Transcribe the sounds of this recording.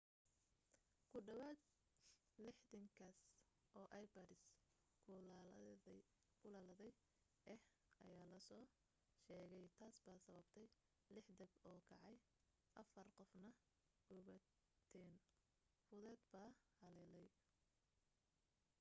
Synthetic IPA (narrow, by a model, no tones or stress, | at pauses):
kʰʊɖɐwaːd̪̚ | lɪħd̪ɐŋkʰas | ʔɔːʔɐjbɐɾɪs | kʰʊ | kʰʊlaːlɐðɛj | ʔɛh | ʔɐ̰jaːlɐsɔː | ʃɛːɣɛjt̪ʰaːsbaːsɐβɐbt̪ʰɛj | lɪħd̪ɐbɔːkʰɑʕɑj | ʔɐfɐrqɔfnɐ | ɡʊβɐ | t̪ʰɛːn | fʊðɛːd̪baːhɐlɛːlɛj